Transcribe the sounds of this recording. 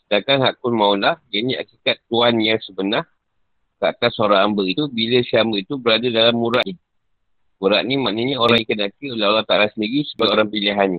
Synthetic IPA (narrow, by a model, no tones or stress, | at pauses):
dakanɦakʊnmãulahjania̰kikat̪ːuanjaŋsəbənah | kəa̰t̪asoɾaːmbəit̪ubiləsiambəit̪ubəɾadadalamːuɾaʔni | muɾa̰ʔnimãʔnəɲəoɾaŋikənakiolaolat̪aʔalasəndiɡisəbaoɾaŋpiliɦani